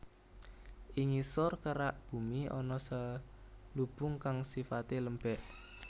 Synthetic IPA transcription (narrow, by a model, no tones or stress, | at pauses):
ʔiŋisɔrkəɾaʔb̥ṳmiɔnɔsə | lub̥ʊ̤ŋkaŋsifat̪eləmbɛʔ